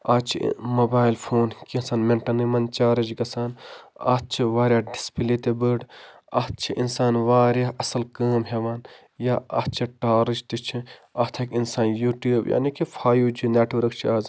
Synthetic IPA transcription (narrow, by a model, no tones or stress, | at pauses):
aːt͡ʃʰḭmoːbaːjlpʰoːnkinsaːnmeɳʈɐnimɐnt͡ʃaːɾɐd͡ʒɡɐsaːna̰ːt͡ʃʰiʋaːɾʲjaːɖispiliːt̪ebəɖ | ɐːt̪̚t͡ʃʰiʔinsaːnʋaːɾjaɐsɐlkɐːmɦeʋaːn | jaːɐ̰ːt͡ʃʰiʈaːɾɨt͡ʃt̪it͡ʃʰiɐːt̪ʰɐkinsaːnjuːʈjuːbjʔa̰ːnikifʰaːjuːd͡ʒinaːʈiʋɾɐkt͡ʃʰiaːz